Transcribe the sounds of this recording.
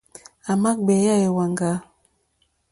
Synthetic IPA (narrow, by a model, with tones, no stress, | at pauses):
a˨ma˦k̚bɛ˨˦ja˦˨je˨wa˨ŋɡa˨˦